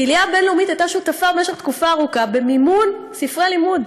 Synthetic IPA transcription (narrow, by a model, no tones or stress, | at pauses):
ilijabe̞nleumit̪ajt̪aʃut̪afabemeʃeχt̪kufaːʁukabe̞mimun | sifʁelimud̪